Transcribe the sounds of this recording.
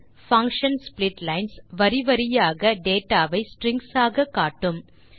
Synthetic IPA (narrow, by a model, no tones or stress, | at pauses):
fɐŋkʂɐnsplɪʈlɐɪnsʋɐɾɪʋɐɾɪjaːɣɐɖeːʈːaːʋɐɪsʈɾɪŋɡsaːɣɐkaːʈːɯm